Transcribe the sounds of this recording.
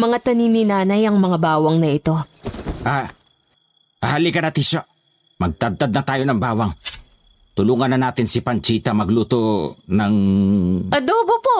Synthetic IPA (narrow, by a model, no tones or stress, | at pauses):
mɐŋat̪ɐniːnɪnaːnɐjɐŋmɐŋabaːwɐŋnɐʔɪt̪o̞ʔa | ʔɐhalikɐnɐt̪iːso | mɐɡ̚t̪ɐd̪̚t̪ad̪̚nɐt̪aːjo̞nɐŋbaːwɐŋ | t̪ʊluːŋɐnːɐnaːt̪ɪnsɪpɐnt͡ʃiːt̪ɐmɐɡluːt̪onɐŋ | ʔɐd̪oːbopo